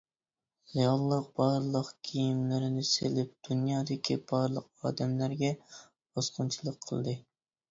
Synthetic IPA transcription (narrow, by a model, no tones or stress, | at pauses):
jɑlˠːəq̚b̥ɑɾlˠəqkʲʰijimlɪɾɪnɪselɪp̚d̪̥unjɑːd̪ɪkʲʰib̥ɑɾlˠəqɑ̰ːd̪ɛmlæɾɡʲɛ | b̥osqʊnt͡ʃʰilˠəqʰːə̰lˠd̪ɨ